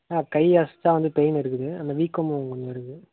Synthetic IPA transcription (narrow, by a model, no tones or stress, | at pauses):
aːkɐɪasɯ̥t̪ːãːʋɐnd̪ɯpejnɪɾɯkːɯðɯɐnd̪ɐʋiːkːɐm̃ʊŋɡɐnd͡ʒ̪ɪɾɯkːɯ